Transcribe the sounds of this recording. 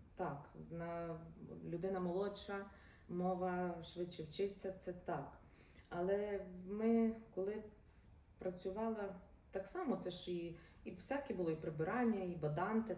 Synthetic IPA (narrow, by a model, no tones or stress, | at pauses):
t̪ɑknɐ | lʲʊd̪ɪnɐmɔlˠɔt͡ʃɐ | mɔʋɐʃʋɪt͡ʃːɪwt͡ʃɪt͡sʲːɐt̪sɛt̪ɑk | ɐlˠɛmɪkɔlˠɪ | pɾɐt͡sʲʊʋɑlˠɐ | t̪ɑksɑmɔt̪sɛʃi | iwsʲɑkʲibʊlˠɔipɾebɪɾɑnʲːɐibɐd̪ɑnt̪ɪ